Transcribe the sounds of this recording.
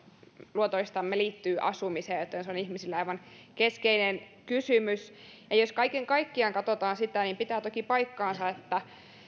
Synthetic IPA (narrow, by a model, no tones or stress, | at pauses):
luot̪oist̪ɑmːeliːt̪ːyːʔɑ̰sumiseːjjot̪ːˑensonihmisilːæɑiʋɑnkeskeinenkysymysjɑjoskɑikeŋkɑikːiɑŋkɑt̪ot̪ɑːnsit̪ænimpit̪æːt̪okipɑikːɑːnsɑet̪ːæ